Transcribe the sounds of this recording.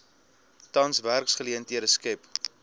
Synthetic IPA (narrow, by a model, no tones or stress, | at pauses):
tɐnsværksχəliəntiəɾəskɛp